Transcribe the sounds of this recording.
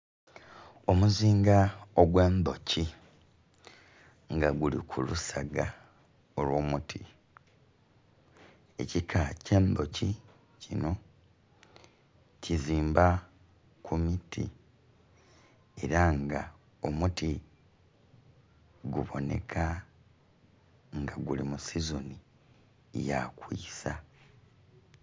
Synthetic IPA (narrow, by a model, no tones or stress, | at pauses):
omuziːŋɡaoɡwe̞ːmbo̞ci | ŋɡaɡulikʰulusaɡa | o̞lwo̞ːmutʰi | e̞̰cikʰace̞ːmbo̞ci | cino̞ | ciziːmba | kumitʰḭ | e̞ɾaŋɡa | o̞muti | ɡuβo̞̰ne̞̰kʰa | ŋɡaɡulimusizoni | jakwḭːsa